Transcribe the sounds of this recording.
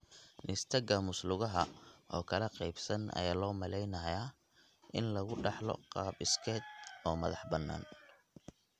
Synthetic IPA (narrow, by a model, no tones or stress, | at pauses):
nʔɪst̪ʰɐɡɐmʊslʊɣɐɦɐʔɔːkʰɐlɛqɑjbsɐnʔɐ̰jaːlɔːmɐlɛjnɐja | ʔɪ̰nlɐɣʊɖɑħlɔ̰qɑːbɪskʰɛːd̪ɔːmɐ̰ðɑħbɐnːa̰ːn